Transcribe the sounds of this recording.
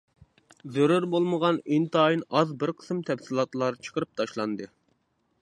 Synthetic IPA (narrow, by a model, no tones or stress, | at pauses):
zøɾyɾbolˠməʁɑnint̪ɑjinɑzbɪɾqʰə̥smt̪ʰɛfsɨlˠɑt̪lˠɑɾt͡ʃʰə̥qʰəɾɨp̚t̪ʰɑʃlˠɑnd̪ɨ